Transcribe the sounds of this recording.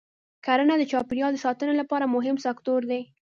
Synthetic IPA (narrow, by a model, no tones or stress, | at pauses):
kaɾənad̪ət͡ʃɑpiɾjɑld̪əsɑt̪ənolapɑɾamʊɦɪmsakt̪oɾd̪e